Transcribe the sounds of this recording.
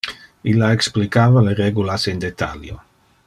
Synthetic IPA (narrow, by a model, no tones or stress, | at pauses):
ilaeksplikaːvaleɾeɡulasend̪et̪ʰa̰ljo̰